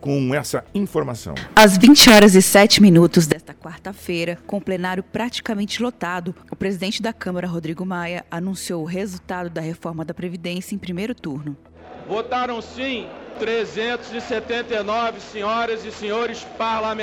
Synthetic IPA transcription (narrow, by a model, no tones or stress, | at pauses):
kõɛsɐĩfoɾmasɐ̰̃wɐzvĩt͡ʃɪɔɾɐzɪsɛt͡ʃɪminut̪ʊzd̪ɛst̪ɐkwaɾt̪ɐfejɾɐkõʊ̃plenaɾjʊpɾat͡ʃi̥kɐmẽnt͡ʃɪlot̪ad̪ʊ | ʊpɾezid̪ẽnt͡ʃɪd̪ɐkɐ̃mɐɾɐɦod̪ɾiɡʊmajɐʔanũsiowʊɦezut̪ad̪ʊd̪ɐɦefɔɾmɐd̪ɐpɾevid̪ẽsiɐẽpɾimejɾʊt̪uɾnʊ | vot̪aɾɐ̃w̃sĩt̪ɾezẽnt̪ʊzɪset̪ẽnt̪ejnɔvɪseɲɔɾɐzɪseɲoɾɪspaɾlam̃